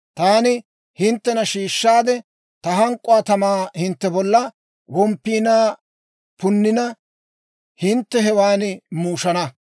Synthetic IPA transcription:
t̪aːnɪ | hɪnt̪ːɛnɐʃiːʃːaːd̪ɛ | t̪ɐɦɐŋkʼːʊaːt̪ɐmaːhɪnt̪ːɛbɔlːɐ | wɔmpːiːnaː | pʊnːɪnɐ | hɪnt̪ːɛɦɛwaːnmuːʃɐnɐ

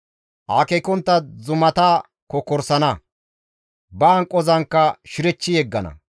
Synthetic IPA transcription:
ʔaːkekɔnt̪ːɐzʊmɐt̪aː | kɔkɔɾsɐnɐ | bɐːŋkʼːɔzɐŋkːɐʃɪɾɛt͡ʃːɪjɛɡːɐnɐ̰

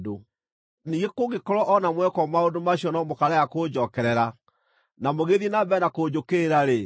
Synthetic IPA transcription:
do | niŋɡekoɣekɔɾɔʔɔnamwɛkɔmaondomaɕiɔnɔmokaɾajakod͡ʑɔːkɛɾɛɾa | namoɣeðienabɛnakod͡ʑokeɾaɾe

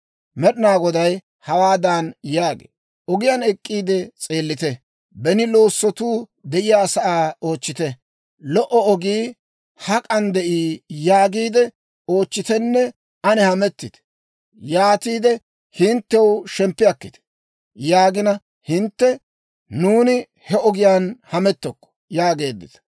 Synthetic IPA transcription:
mɛɗɪnaːɡɔd̪ɐj | hɐwaːd̪aːnjaːɡḛː | ʔɔɡɪjanɛkʼːiːd̪ɛt͡sʼe̞ːlːɪt̪ɛ | bɛnɪlo̞ːsːɔt̪uːd̪ɛʔɪjaːsɐʔaːo̞ːt͡ʃːɪt̪ɛ | lɔʔɔɔɡiː | hɐkʼɐnd̪ɛʔiːjaːɡiːd̪ɛ | o̞ːt͡ʃːɪt̪ɛnːɛ | ɐnɛhɐmɛt̪ːɪt̪ɛ̥ | jaːt̪iːd̪ɛ | hɪnt̪ːɛwʃɛmpːɪjɐkːɪt̪ɛ̥ | jaːɡɪnɐ | hɪnt̪ːɛ | nuːnɪ | hɛɔɡɪjaːnhɐmɛt̪ːɔkːɔ̥jaːɡe̞ːd̪ːɪ̰t̪ɐ̥

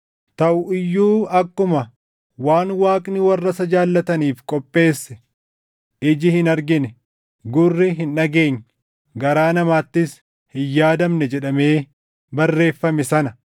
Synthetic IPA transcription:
t̪ɐʔʊɪjːuːɐkːʊmɐ | waːnwaːkʼnɪwɐrːɐsɐd͡ʒaːlːɐt̪ɐniːfkʼɔpʼːe̞ːsːɛ̥ | ɪd͡ʒɪhɪnɐɾɡɪnɛ | ɡʊrːɪɦɪnᶑɐɡe̞ːɲː | ɡɐɾaːnɐmaːt̪ːɪs | hɪjːaːd̪ɐmnɛd͡ʒɛᶑɐme̞ː | bɐrːe̞ːfːɐmɛsɐnɐ

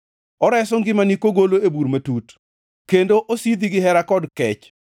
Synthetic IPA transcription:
ɔɾɛsɔŋɡɪmanikoɡoloebuɾmatut | kendoʔosid̪iɡɪɦɛɾakɔdkɛt͡ʃ

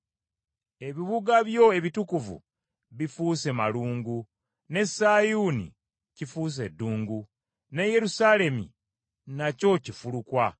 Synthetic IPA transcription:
e̞βiβuɡaβjo̞e̞βitukuvṵ | βifuːsemaluːŋɡu | ne̞saːjuːnḭ | cifuːs̬e̞dːuːŋɡu | ne̞je̞ɾusaːle̞mḭ | naco̞cifulukwa

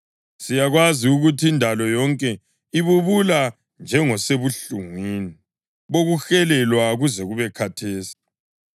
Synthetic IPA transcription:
sijaɣwaziuɣutʰiindʱalɔjɔŋkʼɛ | iβuβula | nd͡ʒʱɛŋɔseβuɬuŋwiːni | βoɣuxɛlɛlwaɣuzɛɣuβɛkʰatʰeːsi̥

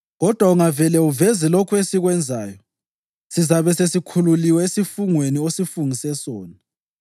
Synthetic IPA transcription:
ɣɔd̥ʱwauŋavɛlɛuvɛzɛlokʰuesiɣwɛnd͡zʱaːjɔ | sizaβɛsesikʰululiwɛesifuŋweniosifuŋisɛsɔːni

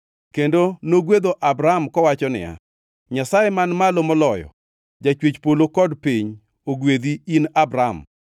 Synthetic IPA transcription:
kendonoɡwed̪oʔabɾaamkɔwat͡ʃɔnɪ̰ja̰ | ɲasajemanmalomɔlɔjɔ̰ | d͡ʒat͡ʃwet͡ʃpolokɔdpiɲ | oɡwed̪iinabɾam

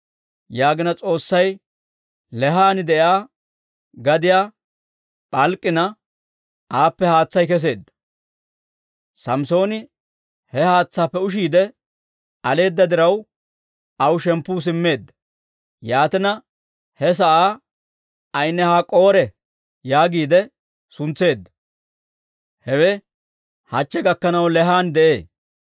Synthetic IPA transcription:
jaːɡɪnɐt͡sʼo̞ːsːɐj | lɛɦaːnɪd̪ɛʔjaː | ɡɐd̪ɪjaː | pʼɐlkʼːɪnɐ | ʔaːpːɛhaːt͡sːɐjkɛs̬e̞ːd̪ːɐ̥ | sɐmso̞ːnɪ | hɛhaːt͡sːaːpːɛʊʃiːd̪ɛ | ɐle̞ːd̪ːɐd̪ɪɾɐw | ɐwʊʃɛmpːuːs̬ɪmːe̞ːd̪ːɐ | jaːt̪ɪnɐ | hɛs̬ɐʔaː | ɐjnːɛhaːkʼo̞ːɾɛ | jaːɡiːd̪ɛ | sʊnt͡sːe̞ːd̪ːɐ̥ | hɛwɛ | hɐt͡ʃːɛɡɐkːɐnɐwlɛɦaːnd̪ɛʔe̞ː

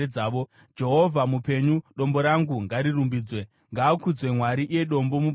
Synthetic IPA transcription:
aːʋo | d͡ʒe̞ɦo̞vʱamupe̞ɲuɗo̞mbo̞ɾaŋɡuŋɡaɾirumbiːd͡zwe̞ | ŋɡaːkud͡zwe̞mwaɾiʔijeɗo̞mbo̞mu

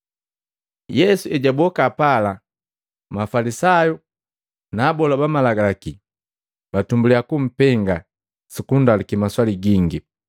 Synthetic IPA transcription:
jɛsuɛɟabɔkapala | mafalisaju | naːbɔlabamalaɡaaki | batumbuliakum̩pɛŋɡa | sikundalikimaswaliɡiŋɡi

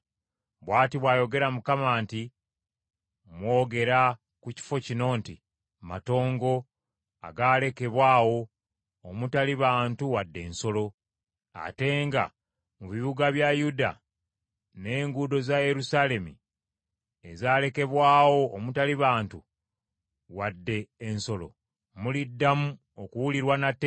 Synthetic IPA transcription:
βwaːtiβwaːjo̞ɡe̞ɾamukamaːnti | mwo̞ːɡe̞ɾa | kuci̥fo̞cino̞ːnti | mato̞ːŋɡo̞ | a̰ɡaːle̞ke̞βwaːwo̞ː | mutaliβaːntuwadːe̞̰ːnso̞lo̞ | a̰te̞ŋɡa̰ | muβiβuɡaβjajuda̰ | ne̞ːŋɡudo̞zaje̞ɾusale̞mi | ezaːle̞ke̞βwaːwo̞ːmutaliβaːntu | wadːe̞ːnso̞lo̞̰ | mulidːamu | okuwuliɾwanatːe

